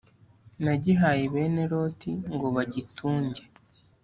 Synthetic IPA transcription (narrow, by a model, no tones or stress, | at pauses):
naɟiɦaːjiβe̞ːne̞ɾo̞tʰiŋɡo̞βaɟitʰuːɲɟe̞